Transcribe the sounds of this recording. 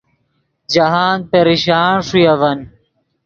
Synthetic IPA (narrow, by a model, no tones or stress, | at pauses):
d͡ʑɐɦaːnpeɾiɕaːɳʂujɐvɐn